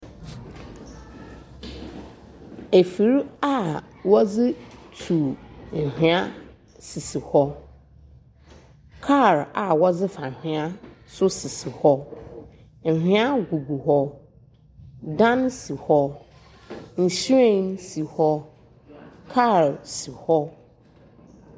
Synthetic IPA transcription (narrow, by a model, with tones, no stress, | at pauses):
e˨fi˨ɾa˦˨ | wɔ˦d͡zɪ˦tʰu˨ŋ̩˨hᶣɪ̃˨a˦ | si˨si˨hɔ˦ | kʰa˦˨ɾa˨wɔ˦d͡zɪ˦fa˨hᶣɪ̃˨a˦ | sʊ˦sɪ˨si˨hɔ˦ | ŋ̩˨hᶣɪ̃˦a˦ɡu˨ɡu˨hɔ˦ | dã˦nsi˨hɔ˦ | n̩˨ɕi˦ẽ˦nsi˨hɔ˦ | kʰa˦˨ɾsi˨hɔ˦